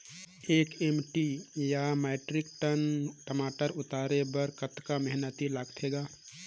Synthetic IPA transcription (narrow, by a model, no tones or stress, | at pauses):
eːkemʈijameːʈɾɪk̚ʈənʈəmaːʈəɾʊt̪aːɾebəɾkət̪kamɛɦnət̪ilaɡʈ̪ʰeːɡaː